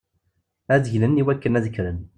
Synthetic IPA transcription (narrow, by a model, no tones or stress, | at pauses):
æðəçlənːiwækːənæðəçɾən